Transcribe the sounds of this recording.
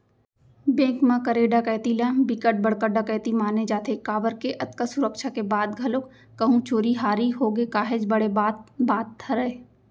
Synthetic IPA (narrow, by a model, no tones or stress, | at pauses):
bẽːkmãkəɾeːɖakɛːt̪ilãbɪkəʈ̚bɐɽkəɖakɛːt̪imaːned͡ʒaːt̪ʰekaːbəɾkeʔɐt̪kasʊɾəkʃakebaːd̪ɡʱɐlokː | ɐɦũt͡ʃoːɾiɦaːɾiɦoːɡekaːɦed͡ʒbɐɽebaːt̪baːt̪ʰːɐɾəe